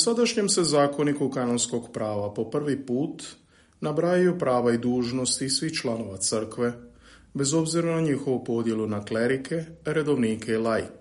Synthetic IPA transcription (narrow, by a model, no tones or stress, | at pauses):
usad̪aʃɲe̞mse̞zaːko̞nikukanonsko̞ɡpɾaːʋapo̞pr̩ʋipuːt̪ | nabɾajijopɾaːʋaid̪uːʒno̞st̪isʋiht͡ʃlano̞ʋat̪sər̩kʋe̞ | be̞zo̞bziɾanaɲixo̞ʋupo̞d̪je̞lunakle̞ɾikʰe̞ɾe̞d̪o̞ʋniːkʰeilajk